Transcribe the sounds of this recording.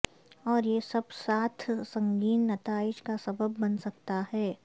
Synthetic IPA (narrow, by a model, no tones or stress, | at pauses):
ɔːɾjesɐbsaːt̪ʰsɐ̃ŋɡiːnːɐt̪aːɪʃkasɐbəbːɐnsɐk̚t̪ahɛː